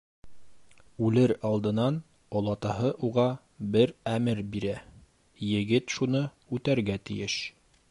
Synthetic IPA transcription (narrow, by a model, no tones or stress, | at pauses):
ʉlɘɾɑlˠd̪ɤ̆nɑn | ŏlˠɑt̪ɑɦɤʔuʁɑ | bɘɾæmɘɾbiɾæ | jɘ̆ɡɘt̪ʃunɤ | ʉt̪æɾɡæt̪ḭ̆jɘʃ